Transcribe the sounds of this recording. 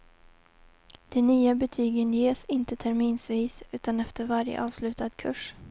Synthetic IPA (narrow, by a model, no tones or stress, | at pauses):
d̪̥ɛnyːabɛt̪ʰyːɡənjeːsɪnt̪ət̪ʰæɾmiːnsviːsʉ̟ːt̪anɛft̪əɾvaɾjə̰ʔɑːvslʉ̟ːt̪ad̪kʰɵʂ